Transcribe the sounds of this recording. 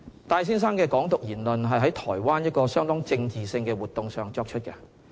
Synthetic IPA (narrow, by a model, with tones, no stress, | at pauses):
t̪aː˧js̬iː˥ns̬aː˥nkɛː˧kɔː˨˥ŋt̪ʊ˨k̚jiː˨˩nlɵ˨nɦɐ˨jɦɐ˨˥jt̪ʰɔː˨˩jwaː˥njɐ˥t̚kɔː˧sœː˥ŋt̪ʊ˥ŋt͡sɪ˧ŋt͡siː˨sɪ˧ŋkɛː˧wuː˨t̪ːʊ˨ŋsœː˨ŋt͡sɔː˧k̚t͡ʃʰɵ˥t̚kɛ˧